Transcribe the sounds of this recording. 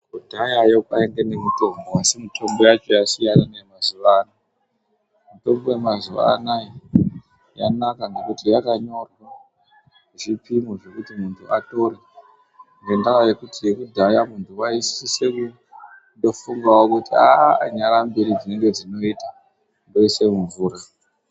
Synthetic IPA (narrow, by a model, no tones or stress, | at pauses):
kudʱajajo̞kaeŋɡenemuto̞mboasimitʰo̞mbo̞jat͡ʃo̞jasijananemazuʋaːna | muto̞mbo̞we̞mazuʋa̰a̰ːnaji | ja̰nakaŋɡe̞kutijakaɲo̞rwa | ʐipimoʐe̞kutimuntʰuʔato̞re | ŋɡendakaje̞kutijekudʱajamuntʰuwaisise̞ku | ndo̞fuŋɡawokutiaɲaɾambeɾid͡zine̞ŋɡe̞d͡zino̞ita | ndo̞ise̞muɱvuːɾa